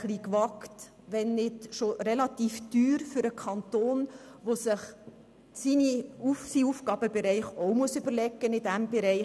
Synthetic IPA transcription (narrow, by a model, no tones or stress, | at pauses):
χlikʋɑkt | ʋɛnːɪtʃorɛlɑt̪iːfd̥yːɾfyɾəkʰɑnt̪oːnʋosɪχ | siniufsiuːfkɑːbəbɛɾɛɪχomuəsyb̥əɾlɛɡːənɪdæmb̥ɛɾɛɪ